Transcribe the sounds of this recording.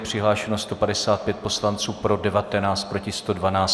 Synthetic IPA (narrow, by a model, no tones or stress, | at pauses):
pr̝̥ɪɦlaːʃɛnost̪o̞padɛsaːt̪̚pjɛt̪̚po̞slant͡suːpɾo̞dɛvat̪ɛnaːt͡st̪̚pɾo̞cɪst̪o̞dvanaːt͡s